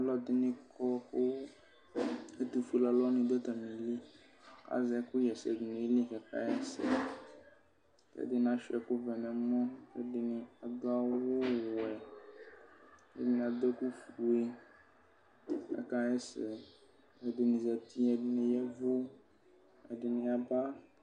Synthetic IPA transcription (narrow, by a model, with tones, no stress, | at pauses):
a˨lɔ˦d̪ɪ˦nɪ̃˦kʰɔ˦ko˦ | e˦t̪u˨fu˦la˨lɔ˦nĩ˨d̪e˦t̪a˨mĩ˨li˦ | ka̰˦zɛ˨˦ku˦jɛ˨sɛ˨d̪nẽ˨˦li˦kɛ˨ka̰˦ɛ˦sɛ̰˨ | kɛ̰˦d̪ɪ˦n˦˨ã˦ʃɛ˨ku˦vɛ˨mɛ̃˨mɔ̃˦ke˦ɖɪ˨nɪ̃˨a˨d̪ʊ˦a˦wo˦wo˦˨wɛ˨ | ḛ˦dɪ˦ñ˨a˨d̪ɔ˦ku˦fu˨e˦ | kɛ̰˨ka˦jɛ˦sɛ˨ | ɛ˨d̪ɪ˨nĩ˨zɛ˨t̪i˦ɛ˨˦nɪ̃˦jɛ˦vo˦ | ɛ̰˨ɖɪ˨nɪ̃˨a˨ba˦